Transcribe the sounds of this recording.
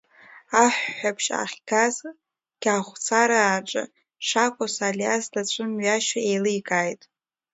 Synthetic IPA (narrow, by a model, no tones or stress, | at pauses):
aħʷːapʰʃa̰χʲɡaz | ɡ̥ʲaχʷt͡sʰaɾaːʈ͡ʂʼa̰ | ʂakʷʼosaliasdat͡ʃʷʰʼɨmɥaʃaejlɨjkʼajtʼ